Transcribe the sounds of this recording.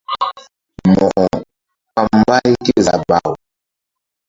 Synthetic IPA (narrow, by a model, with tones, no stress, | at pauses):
mɔ˨ʔɔ˨ | pa˦m˦ba˦i˦ke˦za̰˨ba̰˨u˨